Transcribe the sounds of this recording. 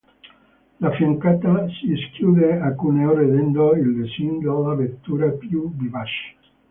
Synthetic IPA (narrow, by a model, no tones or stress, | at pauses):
lafiŋkat̪asieskjuðeakuneoɾeðend̪oilbesind̪olaβet̪uɾapjubiβaʃ